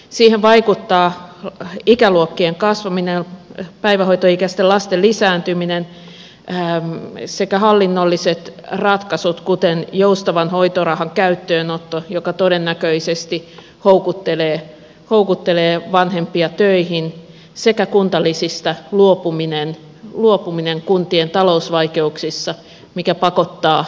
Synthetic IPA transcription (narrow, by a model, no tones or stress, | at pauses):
siːheʋʋɑikut̪ːɑː | ikæluokːieŋkɑsʋɑminelpæiʋæhoit̪oikæst̪elɑst̪elisæːnt̪yminen | sekæhɑlːinːolːiset̪rɑt̪kɑsut̪kut̪enjoust̪ɑʋɑnhoit̪orɑhɑŋkæyt̪ːøːnot̪ːojokɑt̪odenːækøisest̪i | houkut̪ːeleː | houkut̪ːeleːʋɑnhempiɑt̪øihin | sekækunt̪ɑlːisist̪ɑluopuminen | luopumineŋkunt̪ient̪ɑlousʋɑikeuksisːɑ | mikæpɑkot̪ːɑː